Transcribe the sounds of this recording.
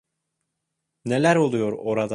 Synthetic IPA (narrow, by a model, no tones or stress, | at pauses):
nelæɾolˠujoɾoɾad̪